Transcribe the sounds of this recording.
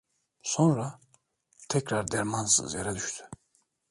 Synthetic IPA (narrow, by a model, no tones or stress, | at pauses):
so̞nɾa | t̪ʰɛcɾaɾd̪ɛɾmansɯ̰zjeɾɛd̪yʃt̪ʰy̥